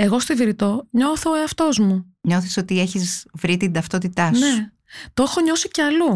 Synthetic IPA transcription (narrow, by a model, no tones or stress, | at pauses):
e̞ɣo̞st̪oiðiɾit̪o̞ɲo̞θoːeɐft̪o̞zmu | ɲo̞θisot̪ie̞çizvɾit̪ind̪ɐft̪ot̪it̪ɐsne̞u | t̪oexoɲo̞sice̞ɐlu